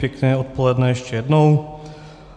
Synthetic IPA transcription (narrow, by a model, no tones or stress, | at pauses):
jɛknɛːot̪̚polɛdnɛjɛʃcɛjɛdnow